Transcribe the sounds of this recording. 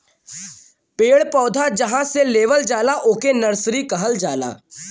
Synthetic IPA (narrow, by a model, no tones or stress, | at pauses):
peːɽpɔːd̪ʱad͡ʒɐɦãseleːʋəld͡ʒaːlaʔoːkenɐɾsɾikɐɦəld͡ʒaːla̰ː